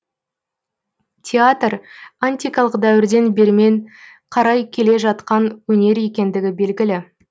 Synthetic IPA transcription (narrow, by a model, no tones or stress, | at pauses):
tʲʰeat̪ranʲt̪ʲijkɑlˠəqd̪æwɪɾd̪e̞nbe̞ɾme̞ɴ | qʰɑɾɑjkʲʰe̞le̞ʒɑt̪qɑnwɵne̞ɾje̞kʲe̞nd̪ɪɡʲɪbe̞lɡʲɪlɪ